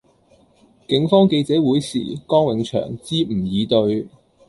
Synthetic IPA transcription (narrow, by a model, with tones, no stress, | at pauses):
kɪ˨˧˥ŋfɔː˥ŋke˧jt͡sɛː˨˥wuː˨˥jsḭː˨˩kɔː˥ŋwɪ˨˧ŋt͡ʃʰœ̰ː˨˩ŋt͡siː˥m̩˨˩jiː˨˧t̪ɵ˧ɥ